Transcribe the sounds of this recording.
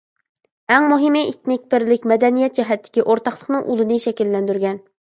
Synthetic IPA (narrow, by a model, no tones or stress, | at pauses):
ɛŋmuɦɨmɨʔit̪nɪkʲpɪɾlɪkʲmɛd̪ɛnijɛt̪̚d͡ʒɛɦɛt̪ʰːɪ̥kʲiʔoɾt̪ɑχlˠəχnɨŋʔulˠɨnɨʃɛkʲilːɛnd̪yɾɡʲɛn